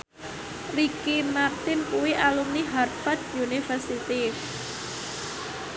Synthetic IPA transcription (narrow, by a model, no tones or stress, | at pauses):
rikimart̪ɪnkuwiʔalumniɦarfad̪̚junifərsit̪i